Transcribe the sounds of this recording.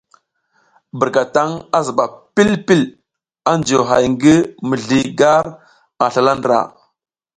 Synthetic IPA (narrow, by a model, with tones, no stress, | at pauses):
bə˨ɾka˨ta˦ŋa˦zə˨ɓa˨pi˦lpi˦l | a˦nd͡ʒo˨ɦa˨jŋɡə˦mə˨ɮi˦ɡa˦ɾ | a˨ɬa˨la˦ndɾa̰˨